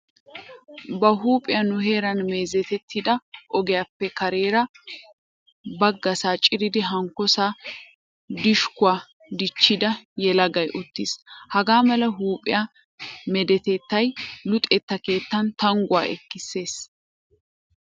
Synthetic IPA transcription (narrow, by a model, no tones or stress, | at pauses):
bɐɦuːpʼɪjɐnʊɦe̞ːɾɐnme̞ːzɛt̪ɛt̪ːɪd̪ɐʔɔɡɛjapːɛkɐɾe̞ːɾɐ | bɐɡːɐsaːt͡ʃʼɪɾɪd̪ɪɦɐŋkɔsaː | d̪ɪʃkʊaː | d̪ɪt͡ʃːɪd̪ɐjɛlɐɡɐjʔʊt̪ːishɐɡaːmɐlɐɦuːpʼɪ̰ja | mɛd̪ɛt̪ɛt̪ːɐjlʊt̪ʼɛt̪ːɐke̞ːt̪ːɐnt̪ɐŋɡʊaːʔɛ̰kːɪsːe̞ːs